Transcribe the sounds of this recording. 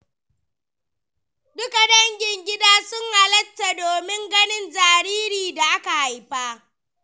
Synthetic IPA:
dʊ˦ka˨dɐ˦ŋɡʲɪ˨ŋɡʲɪ˦daː˦sʊ˦ŋha˨lɐ˦tːa˨doː˨mɪ˦ŋɡɐ˦nɪ˦nzaː˨ɾiː˦ɾiː˨da˨ʔa˦ka˨ha˨jɸaː˦

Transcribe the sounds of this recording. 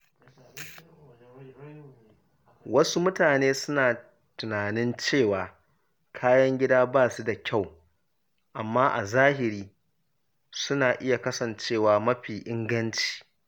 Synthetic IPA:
wɐ˦su˦mʊ˦taː˨neː˦sʊ˦naː˨ | tʊ˨naː˨nɪ˦nt͡ʃeː˦˨waː˨ | kʰaː˦jɐ˦ŋɡʲɪ˦daː˦baː˦˨su˦da˨kʲʰa˦˨w | ʔa˨mːaː˦ʔa̰˨zaː˦hɪ˨ɾiː˦ | sʊ˦naː˨ʔɪ˦ja˨kɐ˦sɐ˨nt͡ʃeː˦˨waː˨mɐ˦ɸiː˨ʔɪ˦ŋɡɐ˦nt͡ʃi̥ː˨

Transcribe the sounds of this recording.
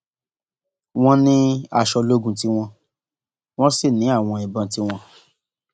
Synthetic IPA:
w̃ɔ̃˦nĩ˦a˧˨ʃɔ˧lo˦ɡũ˧ti˦w̃ɔ̃˧ | w̃ɔ̃˦si˦˨nĩ˨˦a˦˨w̃ɔ̃˧ĩ˨bã˧ti˦w̃ɔ̃˧

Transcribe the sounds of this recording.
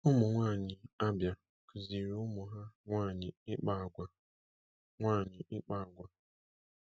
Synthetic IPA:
ʊ˦mʊ˨ŋʷaː˦˨ɲɪ˨a˦bja˨ | kʊ˨zi˨ɾʊ˦mʊ˨ɦa˦ŋʷaː˦˨ɲɪ˨ɪ˦k͡pa˦˨ɡʷa˨ | ŋʷaː˦˨ɲɪ˨ʔɪ˦k͡pa˦˨ɡʷa˨

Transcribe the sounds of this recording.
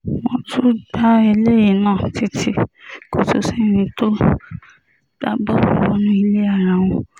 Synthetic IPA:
wɔ̃˧˦tu˦da˦ɛ˧le˦ji˨nãː˦˨ti˦tʰi˧˦ko˨to˧si˦˨ñĩ˧to˦ | d̥a˦bɔ˦˨wɔ˨˦nũ˦i˧le˦a˦˨ɾ̃a˨w̃ɔ̃˧

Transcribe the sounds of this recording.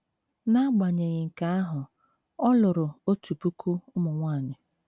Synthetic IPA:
na˦ɡ͡ba˨ɲe˨ɲɪ˨ŋ̩˨ka˦a˦ɦʊ˨ | ɔ˦lʊ˨ɾʊ˨o˦tu˨pu˦ku˦ʊ˦mʊ˨ŋʷaː˦˨ɲɪ˨

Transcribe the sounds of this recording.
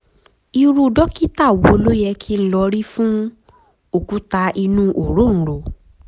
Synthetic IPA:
i˧ɾu˧˨dɔ˦ki˦ta˦˨wo˧o˧lo˦jɛ˧kʰi˦˧n̩˦lɔ˧ɾi˦fũ˦ | o˦˨ku˨˦ta˧i˧nũ˦ʔo˨ɾo˦n̩˨ɾo˨

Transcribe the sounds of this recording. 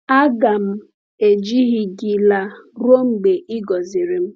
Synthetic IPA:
a˦ɡa˨m̩˦ | e˨d͡ʒi˦ɣi˨ɡi˨la˨ɾo˦ŋ͡m̩˨ɡ͡be˨ʔɪ˦ɡɔ˨zi˨ɾi˨m̩˦

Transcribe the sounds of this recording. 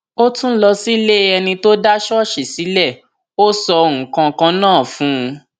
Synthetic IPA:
o˦tũ˦lɔ˧si˦le˦ɛ˧nĩ˧to˦da˦ʃɔ˦ʃe˨si˨˦lɛ˦˨ | o˦sɔ˧o˧ũ˨kã˧kã˧nãː˦˨fũ˨˦˧

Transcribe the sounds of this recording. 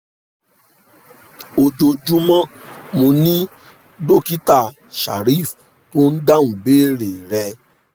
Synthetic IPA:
o˨d͡ʒo˨˧d͡ʒũ˦mã˦mo˧nĩ˦ | do˦˨ki˦ta˦˨ | ʃa̰˨ɾi˦˨f | to˦n̩˦da˦ũ˨be˦ɾe˨ɾɛ˧

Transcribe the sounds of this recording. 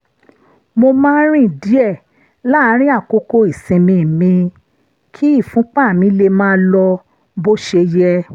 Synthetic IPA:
mo˧mãː˦ɾ̃ĩ˦˨di˨˦ɛ˦˨ | la˦˨˧ɾ̃ĩ˦a˦˨ko˧ko˧i˨sĩ˧mĩ˧˨mĩ˧ | kʰi˦i˦˨fũ˨˦k͡pa˦˨mĩ˧˦le˧mãː˦lɔ˧ | bo˦ʃe˧jɛ˦

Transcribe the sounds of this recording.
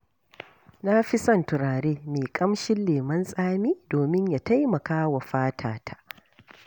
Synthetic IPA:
na˦ɸi˦sɐ˦˨ntʊ˨ɾaː˨ɽeː˦meː˨kʼɐ˦mʃɪ˦nleː˨mɐ˦nsʼaː˦miː˦doː˨mɪ˦ɲja˨ta˦jmɐ˨kaː˦wa˨ɸaː˦tʰaː˨tʰḁ˨ʔ

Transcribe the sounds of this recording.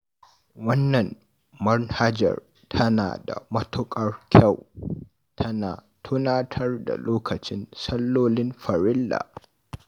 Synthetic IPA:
wɐ˦nːɐ˨n | mɐ˦nha˦d͡ʒɐ̰˨r | tʰɐ˦na̰ː˨da̰˨mɐ˦tʊ˦kʼɐ˦rkʲʰa˦˨w | tʰɐ˦naː˨ | tʰʊ˦naː˦tʰɐ˦rda̰˨loː˦kɐ˨t͡ʃɪ˦nsɐ˦lːoː˦lɪ˦mɸɐ˨ɾɪ˦lːa̰ː˨

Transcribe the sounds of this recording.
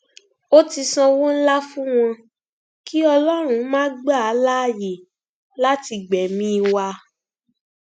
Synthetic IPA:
o˦ti˧sã˧wo˦n̩˦la˦fũ˦w̃ɔ̃˧ | ki˦ɔ˧lɔ˦ɾ̃ũ˨˦mãː˦ɡ͡ba˦˨a˨˦la˦˨je˨ | la˦ti˧ɡ͡bɛ˨mĩ˦˧wa˧

